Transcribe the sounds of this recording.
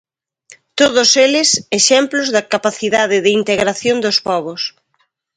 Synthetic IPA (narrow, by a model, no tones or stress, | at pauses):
t̪oðʊselɪseʃɛmplozðɐkapaθiðaðɪðɪint̪eɣɾaθjond̪ospɔβʊs